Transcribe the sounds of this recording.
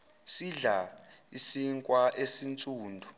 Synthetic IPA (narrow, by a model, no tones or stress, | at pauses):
siɮa | isiŋkʼwaʔesint͡sʼuːndʱu